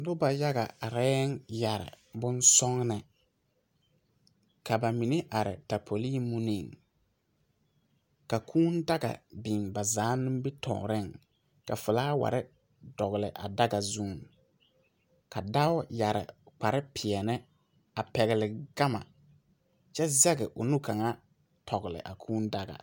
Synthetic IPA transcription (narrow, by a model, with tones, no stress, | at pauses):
dʊ˦ba˨ja˦ɣa̰˨a˨ɾɛː˦ŋja˨ɾɪ̰˨ | bʊ˦nsɔ˦ŋnɛ˨ | ka˨ba˨mi˨ne˦ʔa˨ɾɪ̰˨ta˨pʰo˨li˦mu˦ni˨ŋ | ka˨kʰuː˦n˦da˦ɡa̰˨bi˨ŋba˨zaː˨˦nɪ˦mbɪ˦tʰɔ̰ː˨ɾɪ˦˨ŋ | ka̰˨fɨ˨laː˦wa̰˨ɾɪ˦ | dɔ˨ɣlɪ˨ʔa̰˨da˦ɡa˨zu˦˨˦ŋ | ka˨da˦wʊ˦ja˨ɾɪ̰˨k͡pa˨ɾɪ˦pʰɪ˨ɛ˨nɪ˦ | a˨pɛ˨ɣɪ˨lɪ˨ɡa˦ma̰˨ | t͡ʃɛ˦zɛ˦ɡɛ˨ʔʊ˨nu˦ka˨ŋa˦ | tʰɔ˨ɣlɪ̰˨ʔa̰˨kʰuː˦nda˦ɡa̰˨